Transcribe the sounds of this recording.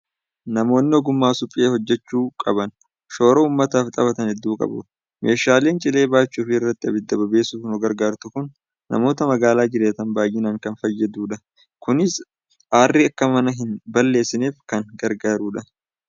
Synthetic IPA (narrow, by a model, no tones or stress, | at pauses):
nɐmo̞ːnːɪɔɡʊmːaːsʊpʼːɪeːhɔd͡ʒːɛt͡ʃːuːkʼɐbɐn | ʃo̞ːɾɐuːmːɐt̪aːft̪ʼɐβɐt̪ɐnhɛd̪ːuːkʼɐ̰bʊ | mʔe̞ːʃaːle̞ːnt͡ʃʼɪle̞ːbaːt͡ʃːuːfɪɪrːɐt̪ːɪɐbɪd̪ːɐbɐbe̞ːsuːfnɔɡɐɾɡaːɾt̪ʊkʊnː | ɐ̰mo̞ːt̪ɐmɐɡaːlaːd͡ʒɪɾeːt̪ɐnbaːjɪnaːŋkɐnfɐjːɛd̪uːᶑɐ | kʊnɪs | ʔaːrːiɐkːɐmɐnɐɦɪnbɐlːe̞ːsːɪneːfkɐŋɡɐɾɡaːɾuːᶑɐ